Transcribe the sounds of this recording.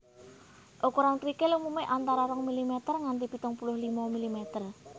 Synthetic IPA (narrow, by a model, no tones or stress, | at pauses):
ʔokuɾankɾikelumumeʔant̪aɾaɾɔŋmilimɛt̪ərŋant̪ipit̪ɔŋpulʊhlimamilimɛt̪ər